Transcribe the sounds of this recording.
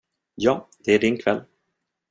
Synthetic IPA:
jɑːd̪̥ɛæɖɪnkʰvɛlː

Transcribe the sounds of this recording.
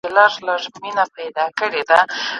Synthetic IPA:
elɑɾlaʐminapajd̪ɑkəɽed̪a

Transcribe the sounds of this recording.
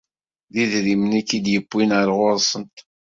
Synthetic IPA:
ðiðɾimənækːid̪jəbːinəɾˤʁʊɾˤsˤənt̪

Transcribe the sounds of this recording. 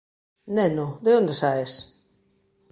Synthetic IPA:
nenod̪eond̪esaes

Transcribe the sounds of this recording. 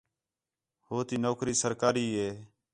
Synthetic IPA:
hoːt̪iːnoːkɾiːsəɾkaːɾiːɦeː

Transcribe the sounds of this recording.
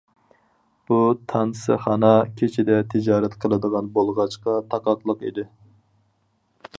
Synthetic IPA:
b̥ut̪ʰɑnsɨ̰χɑnɑkʲʰet͡ʃʰɪd̪ɛt̪ʰɪd͡ʒɑːɾɛt̪qʰəlˠɨd̪əʁɑnbolˠʁɑt͡ʃqɑt̪ʰɑqɑqlˠəqḭd̪ɪ

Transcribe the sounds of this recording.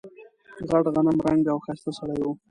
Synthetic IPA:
ɣaʈɣanəmɾaŋɡawxajst̪asaɽajwu

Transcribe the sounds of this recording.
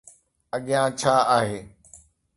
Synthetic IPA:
əɠɪjãːt͡ɕʰaːaːɦeː

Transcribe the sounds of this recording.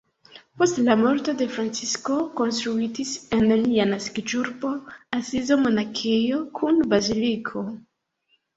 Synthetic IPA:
po̞stlamo̞ɾto̞de̞fɾant͡sisko̞ko̞nst̪ɾuitise̞nlianaskid͡ʒuɾbo̞asizo̞mo̞nakejo̞kʰunbazilikʰo̞

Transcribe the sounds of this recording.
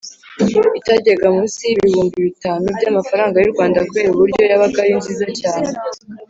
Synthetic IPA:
itaɟeɡamuːnsiiβihuːmbiβitaːnubɟaːmafaɾaːŋɡaɾiɾɡwaːndakuβe̞ːɾuβuɾɟo̞jaβaɡaɾinziːzacaːne

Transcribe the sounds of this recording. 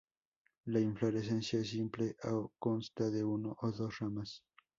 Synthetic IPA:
laiɱfloɾes̬ensjaes̬impleʔawkonst̪aðeunoʔoðosramas

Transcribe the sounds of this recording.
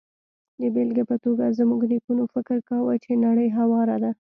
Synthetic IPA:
d̪əbelɡepət̪oɡazmuɡnikunofɪkɪɾkawət͡ʃenaɽəjɦawɑɾad̪a

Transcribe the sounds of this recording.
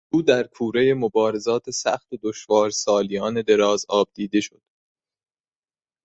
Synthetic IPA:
uːd̪æɾkʰuːɾejemobɒːɾe̞zɒːt̪ʰe̞sæ̰xt̪od̪oʃvɒːɾsɒːlijɒːne̞d̪e̞ɾɒːzɒːb̚d̪̥iːd̪e̞ʃo̞d̪̥

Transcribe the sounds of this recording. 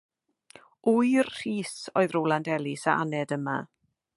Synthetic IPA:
ujrr̥iːsoɨðroːlˠandɛlˠisaʔa̰nɛdəma̰

